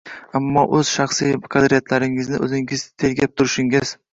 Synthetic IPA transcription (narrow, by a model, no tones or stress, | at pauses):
amːɒʔɵz̥ʃɑχsijqʰɑd̪ɾijat̪ʰlaɾɪŋɪznɪʔɵzɪŋɪzt̪ʰe̞lɡʲap̚t̪ʰʊɾɪʃɪŋɪz̥